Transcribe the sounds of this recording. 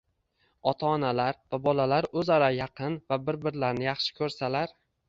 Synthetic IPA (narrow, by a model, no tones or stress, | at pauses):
ɒt̪ʰaːnalaɾvabɒlalaɾɵzaɾajɑqʰɨnvabɪɾbɪɾlaɾnɪjɑχʃɪ̥kʲʰɵɾsalaɾ